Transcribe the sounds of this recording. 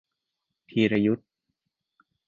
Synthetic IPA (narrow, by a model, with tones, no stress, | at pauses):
t̪ʰiː˧ɾa˧ju˦˥t̪̚